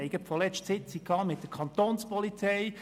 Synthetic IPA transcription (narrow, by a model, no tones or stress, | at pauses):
ɛɪɡətfɔlɛʃtsɪt͡sikʰɑŋmɪt̚d̥əɾkʰɑnt̪oːnspɔlit͡sɛɪ